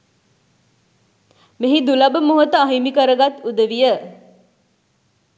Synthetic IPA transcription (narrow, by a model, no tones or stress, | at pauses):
meɦid̪ulɐbəmoɦot̪əaɦimikəɾəɡat̪ud̪əʋijə